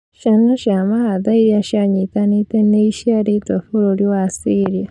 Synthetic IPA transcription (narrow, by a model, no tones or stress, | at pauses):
ʃanoʃamahaðaiɾiaʃaɲitaniteneiʃaɾitofuɾoɾiwasiɾja